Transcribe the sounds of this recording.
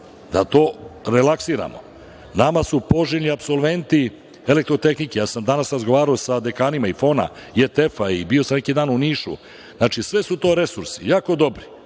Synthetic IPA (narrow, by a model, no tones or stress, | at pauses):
d̪at̪o̞ːɾelaksiɾa̰mo̰ | namasupo̞ʒelʲniapso̞lʋe̞nt̪i | elek̚t̪ɾo̞t̪e̞xnikejaːsamd̪anasɾazɡo̞ʋaːɾaosad̪e̞kaːnimaifo̞ːna̰ijet̪efaibiosamnekid̪aːnuniːʃṵ | znaːt͡ʃisʋesut̪o̞ːɾe̞suɾsijaːko̞d̪o̞bɾi